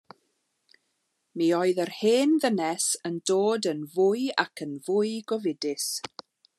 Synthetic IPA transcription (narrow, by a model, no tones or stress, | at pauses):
miːɔɨðərheːnðənɛsəndoːdənvʊja̰kʰənvʊɨɡɔvɪdɪs